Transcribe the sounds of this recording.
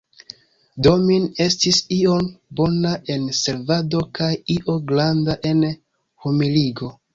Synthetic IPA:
do̞mine̞stisio̞nbo̞naʔe̞nse̞lvado̞kajiʔo̞ɡlandaʔe̞n | humiliɡo̞

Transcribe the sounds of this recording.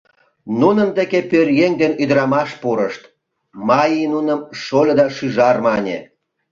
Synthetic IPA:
nunənd̪ekepørjeŋd̪enyd̪ɾɑmɑʃpuɾəʃt̪ | mɑjinunəmʃolʲd̪ɑʃyʒɑrmɑnʲḛ

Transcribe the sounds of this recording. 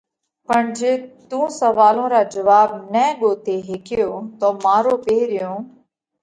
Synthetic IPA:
pəɳd͡ʒeːt̪ũːsəʋaːlõːɾaːd͡ʒəʋaːb̚nɛ̃ːɠoːt̪eːɦekʰɪjoːt̪oːmaːɾoːpeːɾɪjõː

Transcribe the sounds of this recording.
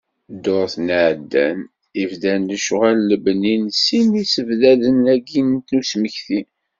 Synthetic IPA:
d̪ːʊɾˤθnʕd̪ːæ̰n | ivðænləʃʁælləbninsinisəvðæðənæɡinnt̪nusməçθi

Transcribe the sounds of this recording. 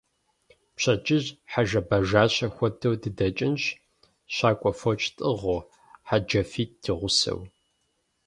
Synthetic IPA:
pɕʰɐt͡ʃʼɪʑħaʒɐbɐʒaːɕɐxʷɔtʰɐwdɨdɐt͡ʃʼɪnɕ | ɕaːkʷʼɔfɔt͡ʃʼtʼɨʁʊ | ħad͡ʒɐfiːt̚d̥ʰiʁʷʊsɐ̰w

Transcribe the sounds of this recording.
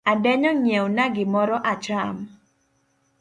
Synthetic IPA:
adɛɲɔŋjɛwnaɡɪmɔɾɔʔat͡ʃam

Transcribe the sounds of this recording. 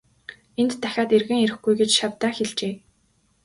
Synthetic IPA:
ent̪t̪ʰːæxʲaːt̪erɣɘ̆ŋeɾɘ̆xɡujɡet͡ɕʃawt̪æːxeɮt͡ɕeː

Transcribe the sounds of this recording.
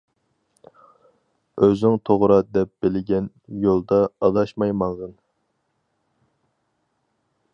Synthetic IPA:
øzɪŋt̪ʰoʁɾɑd̪ɛp̚b̥ɪlɪɡʲɛn | jolˠd̪ɑːd̪ɑʃmɑjmɑŋʁɨn

